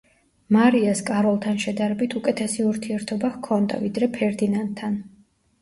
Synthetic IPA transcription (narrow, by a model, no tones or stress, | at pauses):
maɾiaskʼaɾɔlˠt̪ʰanʃɛd̪aɾɛbit̪ʰukʼɛt̪ʰɛsiuɾt̪ʰiɛɾt̪ʰɔbahkʰɔnd̪a̰vid̪ɾɛpʰɛɾd̪inant̪̚ʰːan